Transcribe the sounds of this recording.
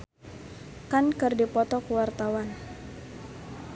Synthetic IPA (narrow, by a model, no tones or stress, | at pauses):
kankɨrdipɔt̪ɔkuwart̪awan